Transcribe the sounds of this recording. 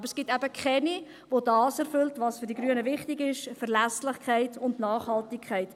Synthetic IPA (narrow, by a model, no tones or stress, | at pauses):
bəɾsɡ̥ɪtɛbəkχɛni | vodɑːsɛɾfʏltvɑsfʏɾdiɡɾyənəvɪχtɪɡɪʃfɛɾlæslɪχkʰæɪtʰʊndnɑːχhɑltɪkʰχɛɪt